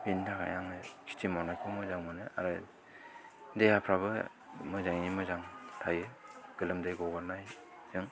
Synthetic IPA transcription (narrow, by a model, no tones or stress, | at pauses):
bindʰakʰa̰jaŋɯkʰi̥tʰimɔnajkʰɯmɯzaŋmɯnɯa̰ɾɯ | dejapʰɾabɯ | mɯzaŋimɯzaŋtʰajɯɡ̥ɯlɯmdɯjɡɔɡaɾnaj | zɯŋ